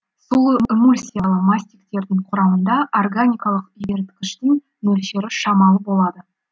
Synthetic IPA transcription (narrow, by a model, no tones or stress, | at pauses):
sulˠimulʲsʲijalˠəmasʲt̪ʲikt̪e̞ɾd̪ɪŋqʰʊɾɑmənd̪ɑʔorɡanʲijkɑlˠəqje̞ɾt̪kʲɪʃt̪ɪŋ | mɵlʃe̞ɾɪʃɑmɑlˠbo̞lˠɑd̪ə